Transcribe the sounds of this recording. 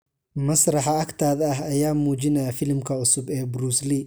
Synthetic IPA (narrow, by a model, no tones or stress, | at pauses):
mɐsrɑħɑɐkt̪ʰaːðɐɦɐjaːmuːt͡ʃɪnɛjɐfɪlmkʰɐʊsʊbɛːbɾuːsli